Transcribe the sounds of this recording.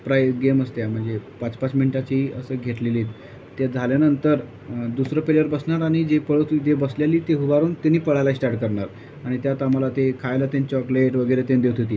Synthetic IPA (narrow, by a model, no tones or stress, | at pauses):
pɾajɡeməst̪jam̤əɳd͡zepat͡spat͡smiɳʈat͡ɕiəsəːɡʱeʈleliːt̪ː | jad͡zʱaljanənt̪əɾ | d̪usɾəːpeləɾbəsɳaɾaɽ̃id͡ʑepəɭət̪d͡ʑebəsljaliːt̪eɦuʋaɾuːnt̪eniːpəɭajlaisʈaɾʈ̚kəɾɳaɾ | aɽ̃it̪jat̪aməlat̪ekʰajlət̪jaɲt͡ɕɔkleʈʋəɡəjɾet̪end̪ewt̪ʰot̪iː